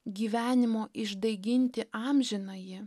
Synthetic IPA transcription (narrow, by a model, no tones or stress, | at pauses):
ɡʲiːʋʲæːnʲɪmoːʔɪʒd̪ɐɪɡʲɪnʲt̪ʲɪʔɑːmʲʒʲɪnɐjɪ